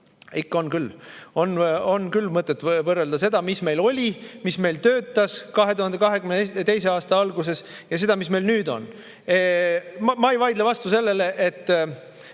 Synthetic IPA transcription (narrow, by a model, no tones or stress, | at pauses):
ikːo̞nkylːo̞no̞nːkylːmɤt̪ːˑet̪ːˑvɤrːeld̪ɑse̞d̪̥ɑmisme̞jlo̞lʲimisme̞jlt̪ø̞ːt̪ːˑɑskɑɦe̞t̪uhɑnd̪ekɑɦe̞ɡymnt̪e̞js̬e̞ɑːst̪ɑɑlɡus̬e̞s | jɑs̬e̞d̪̥ɑmisme̞jlnyːd̪̥o̞̰n | mɑejvɑjd̪levɑst̪use̞lːe̞le̞ʔet̪ː